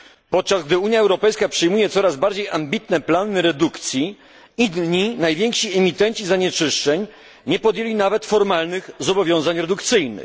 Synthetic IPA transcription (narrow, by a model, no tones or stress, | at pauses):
pɔt̪̚t͡ʂasɡ̚d̪ɘuɲjaɛwɾɔpɛjskapʂɘjmujɛt̪sɔɾazbaɾd͡ʑejambʲit̪nɛplanɘɾɛd̪ukt̪sʲji | inɲinajvʲjɛŋkʂiɛmʲit̪ɛɲt͡ɕizaɲɛt͡ʂɘʂt͡ʂɛɲ | ɲɛpɔd̪jelʲinavɛt̪fɔɾmalnɘxzɔbɔvʲjɔ̃w̃zaɲɾɛd̪ukt̪sɘjnɘ̰